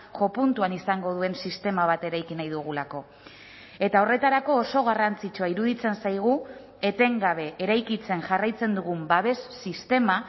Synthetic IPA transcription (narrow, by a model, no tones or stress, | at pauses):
ʝo̞punt̪uanisaŋɡo̞ðue̞nsist̪e̞maβ̞at̪e̞ɾajkinajðuɣ̞ulako̞ | e̞t̪ao̞re̞t̪aɾako̞ːso̞ɣ̞arant͡sit͡ʃuaiɾuðit͡se̞nsajɣ̞u | e̞t̪e̞ŋɡaβ̞e̞eɾajkit͡se̞nʝarajt͡se̞nd̪uɣumbaβe̞sːist̪e̞ma